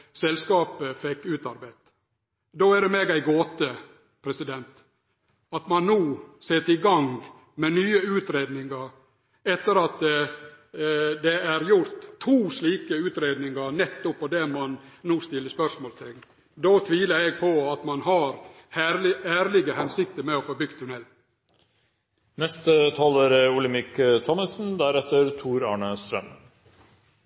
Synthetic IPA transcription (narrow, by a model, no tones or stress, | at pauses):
sɛlskɑːpəfɛkːʉːt̪ɑɾbæɪt̪ | d̪oːæɖɛmeːɡæɪɡoːt̪ə | pʰɾɛsɪd̪ɛnt̪ | ɑt̪mɑnnuːseːt̪ɪɡɑŋ | mɛnyːəʉːt̪ɾeːd̪nɪŋɑɾ | ɛt̪ːəɾɑt̪ | d̪ɛæɾjʊɾt̪ʰːuːsliːkəʉːt̪ɾeːd̪nɪŋɑɾnɛt̪ːʊpːɔd̪ɛmɑnnuːst̪ɪlːəspœʂmoːlst̪ʰɪŋː | d̪oːt̪ʰʋiːləɾɛɡ̚pʰɔɑt̪mɑnɦɑɾ | hæɾlɪæːɾlɪɡəhɛnsɪk̚t̪əmɛɔfɔɾbʏɡ̚t̪ʰːʉnɛlː | nɛst̪ət̪ʰɑːləɾʊlɪmɪkt̪ʰɔməsnd̪æɾɛt̪ːəɾt̪ʰuːɾɑ̰ːɳəst̪ɾœm